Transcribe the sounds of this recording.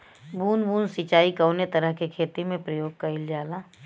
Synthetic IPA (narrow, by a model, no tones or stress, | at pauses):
buːnbuːnsit͡ʃaːikəːnet̪ɐɾəɦkekʰeːt̪imẽpɾəjoːɡ̚kɐɪld͡ʒaːlaː